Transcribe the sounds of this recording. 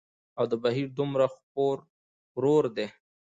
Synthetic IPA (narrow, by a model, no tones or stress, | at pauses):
awd̪əbaɦiɾd̪ʊmɾaxpoɾ | ɾoɾd̪e